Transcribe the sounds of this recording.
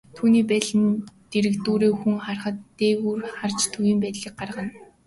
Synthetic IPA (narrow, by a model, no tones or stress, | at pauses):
t̪ʰuːniːpæːɮɘ̆nt̪eɾɘ̆kt̪uːɾeːxuŋχarχə̆t̪ːeːwuːrχart͡ɕt̪ʰujĭːmpæːt̪ɮiːk̚ɢarʁə̆n